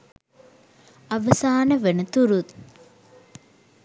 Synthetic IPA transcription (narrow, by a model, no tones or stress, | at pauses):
ɐʋəsaːnəʋenət̪uɾut̪